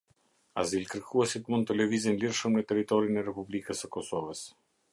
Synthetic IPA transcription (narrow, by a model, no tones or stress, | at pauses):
azilkəɾkʰuɛsit̪mund̪t̪əlɛvizinliɾʃəmŋɡat̪ɛɾit̪ɔɾinɛrɛpublikəsəkɔsɔvəs